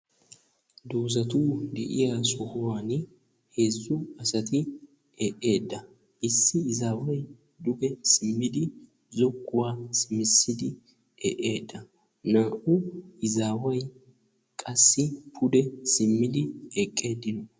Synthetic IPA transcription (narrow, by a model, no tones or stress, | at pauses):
d̪uːzɐt̪uːd̪ɛ̰ʔɪjaːsɔhʊwaːn | heːzːʊɐsɐt̪ɪ | ɛʔe̞ːd̪ːɐ | ɪsːɪːzaːwɐj | d̪ʊɡɛsɪmːɪd̪ɪ | zɔkːʊwaːsɪmɪsːɪd̪ɪ | ɛʔe̞ːd̪ːɐ | naːʔʊɪzaːwɐj | kʼɐsːɪpʰʊd̪ɛsɪmːɪd̪ɪɛkʼːe̞ːd̪ːɪnɔ